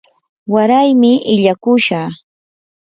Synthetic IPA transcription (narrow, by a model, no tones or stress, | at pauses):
waɾajmɪʔɪʎakʊʃaː